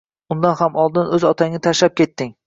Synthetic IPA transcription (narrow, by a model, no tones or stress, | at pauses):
ʊnd̪anhamʔɒlˠd̪ɪnɵzɒt̪ʰaŋnɪt̪ʰaʃlap̚kʲʰe̞t̪ːɪŋ